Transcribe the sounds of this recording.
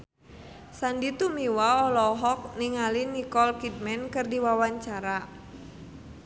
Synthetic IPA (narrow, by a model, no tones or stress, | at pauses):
sandit̪umiwaɔlɔɦɔk̚niŋalinikɔlkid̚mɛnkɨrdiwawaɲt͡ʃaɾa